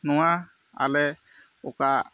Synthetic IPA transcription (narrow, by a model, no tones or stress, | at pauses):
nɔa | a̰lɛ | ɔka